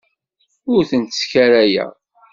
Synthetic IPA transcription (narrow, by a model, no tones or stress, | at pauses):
ʊɾθənt̪sçæɾæjæ̰